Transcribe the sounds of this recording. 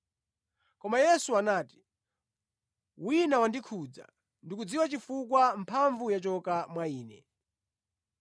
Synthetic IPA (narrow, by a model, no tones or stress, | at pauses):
kɔmajɛsuanaːti̥ | winawandikʰud͡za̰ | ndikud͡ziwat͡ʃifuk̬wam̩pʰaɱvujat͡ʃɔkamwaiːnɛ